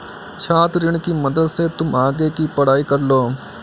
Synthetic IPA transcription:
t͡ʃʰaːt̪ɾɪɽ̃kiːməd̪əd̪set̪ʊmaːɡekipəɽ̤aːiːkɐɾloː

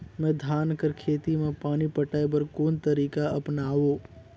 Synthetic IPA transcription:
mɛ̃ːd̪ʱaːnkəɾkʰeːt̪imẽpaːnipəʈaːebəɾkoːnt̪əɾiːkaɐpnaːʋoː

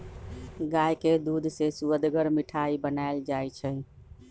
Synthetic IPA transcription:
ɡajked̪ud̪ʱsesuəd̪ɡəɾmiʈʰaibənaɪld͡ʒajt͡ʃʰɛ

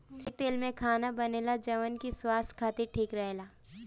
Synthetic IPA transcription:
t̪eːlmẽkʰaːnabɐneːlad͡ʒɐʋənkiswaːst̪kʰaːt̪iʈʰiːkɾɐɦeːlaː

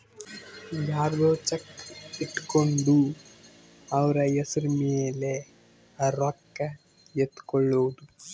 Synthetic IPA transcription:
daːɾd̪oːt͡ʃɐkːiʈːkoɳɖu | ɐʋɐɾɐjesɐɾmeːle | ɾɐkːɐ | jet̪ːkoɭːoʋd̪u

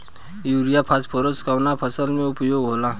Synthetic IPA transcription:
juːɾijapʰaspʰoɾoskawnapʰəsəlmẽʊpjoːɡɦoːlaː

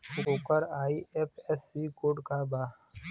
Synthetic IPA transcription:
uoːkəɾaːiepɛsiːkoːɖkaːbaː

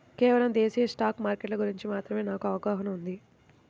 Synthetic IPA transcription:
kɛːʋɐlɐmd̪eːsijɐsʈaːkmaːɾkeʈlɐɡuɾiɲt͡ʃimaːt̪ɾɐme̞ːnaːkuɐʋɐkaːɦɐnɐmund̪i

